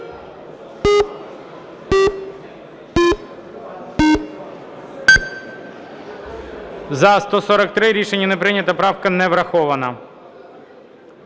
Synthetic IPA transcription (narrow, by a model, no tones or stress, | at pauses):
zɐst̪ɔsɔɾɐk̚t̪ɾɪɾʲiʃenʲːɐnepɾɪnʲɐt̪ɐpɾɑwkɐnɛʋɾɐxɔʋɐnɐ